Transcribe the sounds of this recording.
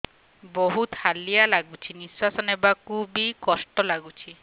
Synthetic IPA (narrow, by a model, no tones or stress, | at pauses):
bɔɦut̪halijalaɡut͡ʃʰiniswasɔnebakubikɔsʈɔlaɡut͡ʃʰi